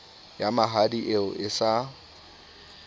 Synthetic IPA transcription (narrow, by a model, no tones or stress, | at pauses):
jamaɦadiʔeʊʔɪsa